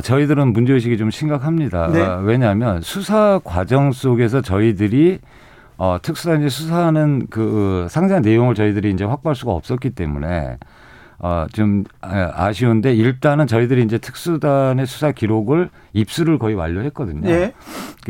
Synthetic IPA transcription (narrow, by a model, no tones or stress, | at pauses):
t͡ɕʌidɯɾɯnmund͡ʑeuɕ̬ʰiɡit͡ɕomɕʰinɡakʰamɲida̰we̞ɲamjʌnsʰusʰakwad͡ʑʌŋs͈oɡe̞s̬ʰʌt͡ɕʌidɯɾi | ʌtʰɯk̚s͈udaɲesʰusʰaɦanɯnkɯsʰaŋd͡ʑaanːe̞joŋɯɭt͡ɕʌidɯɾiːnd͡ʑe̞ɸwak̚p͈aɭs͈uɡaʌp̚s͈ʌt̚k͈it͈e̞̰mune̞̰ | ʌ̰t͡ɕoma̰ɕʰionde̞iɭt͈anɯnt͡ɕʌidɯɾiːnd͡ʑe̞tʰɯ̥k̚s͈udane̞sʰu̥sʰakiɾoɡɯɭ | ip̚s͈uɾɯɭkʌiwa̰ʎːohe̞t̚k͈ʌdɯɲoo